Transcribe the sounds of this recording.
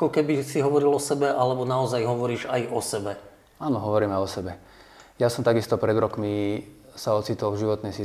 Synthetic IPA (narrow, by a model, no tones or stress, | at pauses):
akɔkɛbisiɦɔʋɔɾilɔsɛbɛʔalɛbɔnaɔzajɦɔʋɔɾiːʒajɔsɛbɛ | aːnɔɦɔʋɔɾiːmɛjɔsɛbɛ | jasɔmt̪aɡist̪ɔpɾɛd̪ɾɔkmi | saɔt͡sit̪ɔlvʒiʋɔt̪nɛjsi